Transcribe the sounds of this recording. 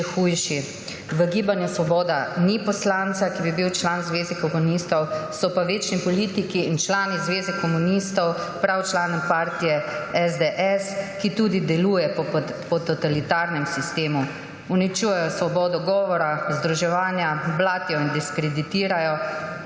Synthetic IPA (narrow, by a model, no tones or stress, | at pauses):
xujʃi | ʋəɡiːbanjɛsʋɔbɔːd̪anipɔslant̪sakibibiwt͡ʃlanzʋeːzɛkɔmunist̪ɔwsɔpaʋeːt͡ʃnipɔliːt̪ikiːnt͡ʃlaːnizʋeːzɛkɔmunist̪ɔwpɾawt͡ʃlaːnɔmpaːɾt̪ijɛɛzd̪eʔɛskit̪uːd̪id̪ɛluːjɛppɔt̪ɔt̪alit̪aːɾnɛmsist̪eːmu | unit͡ʃujɛjɔsʋɔbɔːd̪ɔɡɔːʋɔɾauzd̪ɾuʒɛʋaːnjablaːt̪jɔind̪iskɾed̪it̪iːɾajɔ